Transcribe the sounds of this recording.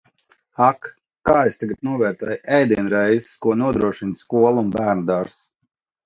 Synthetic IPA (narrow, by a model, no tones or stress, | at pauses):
akː | aːest̪aɡat̪̚nuɔvɛːɾt̪ɛjʔɛjd̪iɛnɾɛjzskuɔnuɔd̪ɾuɔʃinskuɔlˠunbæːɾnɨd̪aɾs